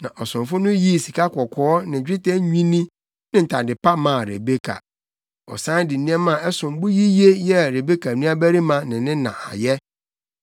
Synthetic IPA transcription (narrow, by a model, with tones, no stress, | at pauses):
nã˨ʔɔ˨sʊ̃˨mfʊ˦nʊ̃˦ji˦˨si˨kʰa˦kʰɔ˨kʰɔː˨˦nɪ̃˨d͡ʑᶣɾɪ˦tʰɛ˦ɲᶣĩ˦nĩ˦ | nɪ̃˦n̩˨tʰa˨dɪ˨pa˦mã˨ɾḛ˨be˦kʰa̰˨ | ɔ̰˨sã˦n˦dɪ˨nĩ˦ɛ˦mã˦˨ɛ˦sʊ̃˨m˦bʊ˦ji˦je˦jɛ˦˨ɾe˨be˦kʰa˨nũ˦a˦bæ˦ɾi˦mã˨nɪ̃˨nɪ̃˦nã̰˨ʔa̰˨jɛ˦